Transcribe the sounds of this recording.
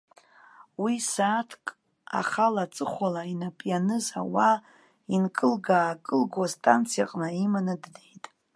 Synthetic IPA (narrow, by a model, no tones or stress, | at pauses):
wisaːtʰkʼ | a̰χalat͡sʼɨχʷalainapʼjanɨza̰wa | inkʼɨlɡaːkʼɨlɡastʼant͡sʰija̰qʼnaimanɨddejtʼ